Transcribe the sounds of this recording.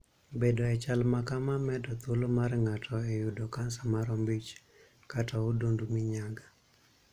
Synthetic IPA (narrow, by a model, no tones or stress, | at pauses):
bedɔɛt͡ʃalmakamamɛdɔt̪olomarŋatʰɔɛjudɔkansamaɾɔmbit͡ʃ | kataodondumiɲaɡa